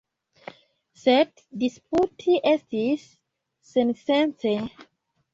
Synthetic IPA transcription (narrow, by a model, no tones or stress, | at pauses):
sed | disp̚utʰiʔestisː | ẽnsẽnt͡se